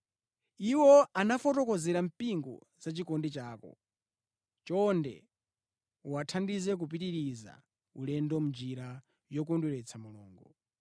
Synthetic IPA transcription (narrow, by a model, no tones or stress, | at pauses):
iwɔanafɔtɔkɔzɛɾam̩piŋɡɔ̰ | zat͡ʃikɔndit͡ʃaːkɔ̰ | t͡ʃɔndɛ | uwatʰandizɛk̬up̬itiɾiza̰ | ulɛndɔmud͡ʒiɾa | jɔk̬unduɾɛt͡sʰamulɔ̰ːŋɡɔ